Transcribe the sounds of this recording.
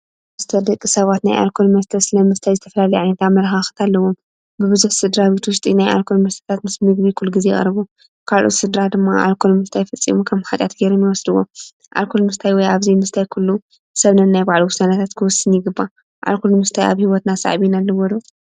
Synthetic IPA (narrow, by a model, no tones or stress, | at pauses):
mɨst̪ʰɐd̪ɐkʼːisɐβat̪najʔa̰lkʰolmɐst̪ʰɐsɨlɐmɨst̪ʰajzɨt̪ʰɐfɐlalɐjʕanet̪ʰamɐɾxaxɨ̥t̪ʰalːɐwom | bɨβɨzuħsɨd̪ɾaβit̪ʰwʊʃt̪ʼinaja̰lkʰolmɐst̪ʰɐ̥t̪ʰat̪mɨsmɨɡbikʰulːuɡizej̰ʼɐ̰ɾɨβu | kʰalʔo̰t̪sɨd̪ɾad̪ɨmːaʔa̰lkʰolmɨst̪ʰajfɐt͡sʼːḭmukʰɐmħat̪ʼjat̪ɡeɾomjiwɔsd̪ɨwːo̰ | ʔa̰lkʰolmɨst̪ʰajwɔjaβzimɨst̪ʰajkʰulːu | sɐβnɐnnajbaʕluwʊsanɐt̪ʰat̪kʰɨwɔsːɨnjɪɡɨbːa | ʔa̰lkʰolmɨst̪ʰaja̰βhiwɔt̪nasa̰ʕβinalːɐwɔd̪o